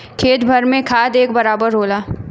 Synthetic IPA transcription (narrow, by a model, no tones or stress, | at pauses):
kʰeːt̪bʱɐɾmẽkʰaːd̪eːkbɐɾaːbəɾɦoːlaː